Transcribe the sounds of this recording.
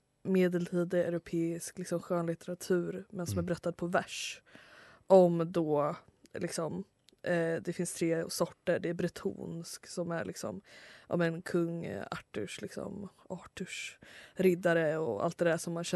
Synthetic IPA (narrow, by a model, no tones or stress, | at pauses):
meːd̪ɛlt̪ʰiːd̪ɪæ̰ɾʊpʰeːɪsklɪksɔmɧœːnlɪt̪ɛɾat̪ʰʉ̟ːɾmɛnsɔmæɾbɾœt̪ːad̪̚pʰɔvæʂ | ʔɔmd̪ɔlɪksɔm | d̪ɛfɪnst̪ʰɾeːsɔʈːəɖɛːɾbɾɪt̪ʰṵːnsksɔmæ̰ɭɪ̰ksɔ̰mʔɔ̰mɛnkʰɵŋːa̰ʈːə̰ʂlɪksɔ̰mɑːʈɵʂɾɪd̪aɾəɔ̰a̰lt̪̚d̪ɛd̪æʂɔmːanɕɛ